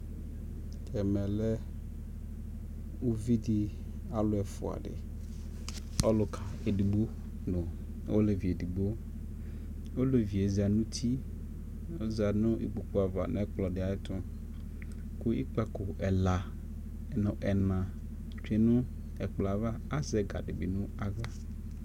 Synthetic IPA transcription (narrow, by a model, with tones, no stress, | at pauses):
tʰɛ˨mɛ̃˨lɛ˦ | u˦vi˦di˦ | a˨lʊ˦ɛ˨fʊ̰˨a̰˨dɪ̰˨ | ɔ˦lʊ˨kʰa˨e˨di˨ɡ͡bo˦ | nʊ̃˨˦ | o˦le˨vi˨e˨di˨ɡ͡bo˦ | wo˦le˨vi˨e˨za˨nʊ̃˦t̪ʰi˦ | o˦za˨nʊ̃˦ʔḭ˦˨ɡ͡bo˨k͡pʊ˦a˨va̰˨ñ̰˨ɛ˦k͡plɔ˨dɪ˨a˨ɪ˦t̪ʰʊ˦ | kʊ˦i˦k͡pa˦kʊ˨ɛ˨la˨ | nʊ̃˨ʔɛ˨nã˨ | t͡ʃᶣe˨nʊ̃˦ | ɛ˨k͡pla˨va˦a˦zɛ˦ɡa̰˨dɪ˨bɪ˨nʊ̃˦a˦ɡa˦